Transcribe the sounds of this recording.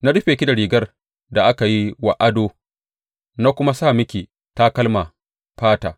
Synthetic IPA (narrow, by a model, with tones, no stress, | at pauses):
na˦ɽʊ˦ɸeː˨kʲi˦da˨ɽiː˨ɡɐ˦r | da˨ʔa˦ka˨ji˦wa˨ʔa˦doː˦ | na˦kʷʊ˦ma˦saː˦˨mɪ˦kʲiː˨ | ta˦kɐ˦lma˨ | ɸaː˦ta̰ː˨